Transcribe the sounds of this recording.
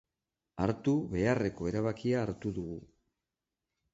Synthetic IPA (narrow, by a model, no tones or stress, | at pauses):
aɾt̪uβe̞are̞ko̞e̞ɾaβ̞akiaːɾt̪uðuɣu